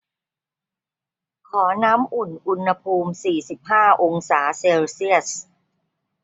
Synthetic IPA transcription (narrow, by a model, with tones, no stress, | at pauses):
kʰɔː˩˦naː˦˥mʔu˨˩nʔu˧nha˧pʰuː˧msiː˨˩si˨˩p̚haː˥˩ʔo˧ŋsaː˩˦seː˧wsi˥˩əs